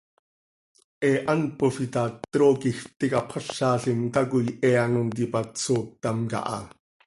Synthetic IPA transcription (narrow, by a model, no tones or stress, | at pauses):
ʔɛʔanpofit̪ɑt̪ɾokixt̪ikapʰɑʃːɑːɬimt̪ak̬ujʔɛanont̪ipatt͡soːt̪ːɑmkɑ̰ʔɑ̰